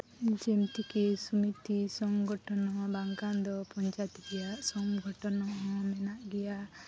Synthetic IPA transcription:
d͡ʒemt̪ikesumit̪isɔŋɡʱɔʈɔnɔbaŋkand̪ɔpɔnt͡ʃat̪iɡɛjaʔsɔmɡʱɔʈɔnɔɔmɛnaʔɡɛja

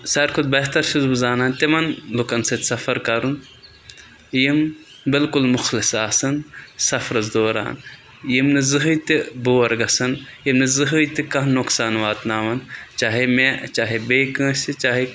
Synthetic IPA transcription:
sɐɾkʰʊd̪̚bɐɦt̪ɐɾʃizbuzaːnaːnt̪imɐnlʊkɐnsɐt̪ʲsɐfɐɾkɐɾun | jim | bɪlkʊlmʊxlɪsaːsɐnsɐfɾɐzd̪oːɾa̰ːn | jimnɨzɨɦɨt̪iboːɐɾɡɐsɐnjimnɨzɨɦɨt̪ikɐɦnʊksaːnʋaːt̪naːʋɐnt͡ʃaːɦemet͡ʃaːɦebeːkɐ̃ːsit͡ʃaːɦe

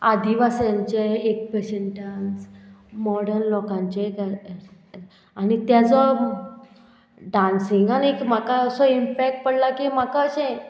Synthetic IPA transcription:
ad̪iʋasjãɲt͡ɕeek̚peɕeɳʈansmɔɽəɾnlɔkãɲt͡ɕeka | anit̪jat͡sɔ | ɖãnsiŋɡanikm̤akaəsɔimpɛk̚ʈ̚pəɽlakimakaəɕẽ

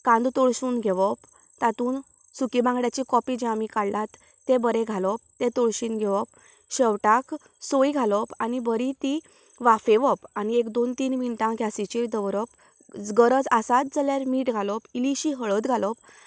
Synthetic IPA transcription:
kãnd̪t̪ɔɭɕuːnɡʱɛʋɔp | t̪at̪uːn | sukibãŋɡɽjat͡ɕikɔpid͡ʑamikaɽlat̪ː | ebəɾeɡʱalɔp̚t̪et̪ɔɭɕiːnɡʱɛʋɔp̚ | ɕeʋʈak | sojɡʱalɔpanibəɾit̪i | ʋafeʋɔpaniekd̪ont̪iːnʋiɳʈãɡʱjasit͡ɕed̪əʋɾɔp | d͡zɡəɾəd͡zasat̪̚d͡zəljaɾmiːʈɡʱalɔpiliɕiɦəɭət̪ɡʱalɔp̚

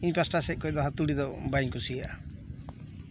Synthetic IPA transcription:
inpɾasʈaseʔ̚kɔjd̪ɔɦat̪uɽid̪ɔbajŋkusijaʔ

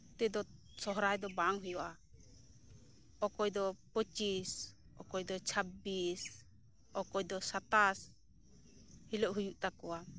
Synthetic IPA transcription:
t̪ɛd̪ɔ | sɔɦɾajd̪ɔbaŋɦɔjɔʔa | ɔkɔjd̪ɔpət͡ʃis | ɔ̰kɔjd̪ɔt͡ʃʰabbis | ɔkɔjd̪ɔsat̪as | hiləʔɦujuʔt̪akɔwa

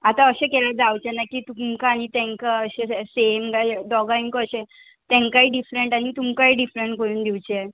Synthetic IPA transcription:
at̪aəɕekɛlad͡zawt͡ɕɛnakiːt̪umkaːñit̪ɛ̃ŋkaəɕesemɡajd̪ɔɡaiŋkəːɕe | t̪ɛ̃ŋkaiɖifɾeɳʈañit̪umkaiɖifɾeɳʈkəɾuːnd̪ʱiwt͡ɕɛ

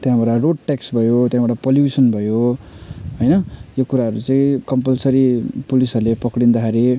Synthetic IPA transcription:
t̪jãbaʈaroɖ̚ʈeksbʱʌjot̪jãbaɽapolubisʌnbʱʌjo | ɦʌjnʌjokuɾaɦʌɾut͡sʌĩkʌmpʌlsʌɾipulisʌrlepʌkɽind̪akʰeɾi

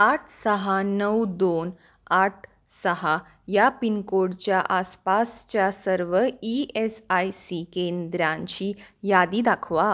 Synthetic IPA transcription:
aʈʰsəɦanəwd̪on | aʈʰ | səɦa | japinkoɽt͡ɕjaʔaspast͡ɕjasəɾʋəiesajsikend̪ɾãɲt͡ɕiːjad̪iːd̪akʰʋa

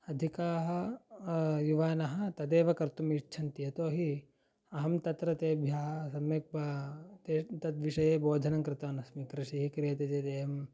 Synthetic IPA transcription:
ɐd̪ʱikaːɦɐ | juʋaːnɐɦɐt̪ɐd̪eːʋɐkɐɾt̪umit͡ʃʰɐnt̪ijɐt̪oːɦi | ɐɦɐmt̪ɐt̪ɾɐt̪eːbʱjaːɦɐsɐmjɐk̚baːt̪eːt̪ɐt̪ʋiʃɐjeːboːd̪ʱɐnɐŋkɾɪt̪ɐːnɐsmikɾɪʂiɦikɾijɐt̪eːd͡ʒ̪eːt̪eːɦɐm

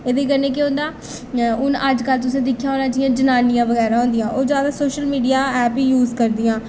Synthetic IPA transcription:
eːd̪eːk̬əɾneːk̬ɪʊ̃nd̪aː | ʊnəd͡ʒkəlt̪ʊsẽːd̪ɪkʰːjaːɦoːnãːd͡ʒɪijãːd͡ʒənaːnɪjãːʋəɣɛːɾãːɦõːnd̪ɪjãːʔoːd͡ʒjaːd̪aːsoːʃəlmiːɖijaːɛːpiːjuːzkəɾd̪ijãː

